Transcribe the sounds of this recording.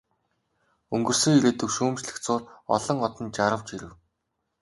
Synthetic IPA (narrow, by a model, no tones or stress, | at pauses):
ɵŋɡɵ̆rsɵ̆ŋiɾeːt̪ɵ̆kʃuːmt͡ɕɮɘ̆xt͡sʊːrɔ̰ɮɞ̆ŋɔt̪ɞ̆nt͡ɕaɾə̆wt͡ɕiɾɘ̆w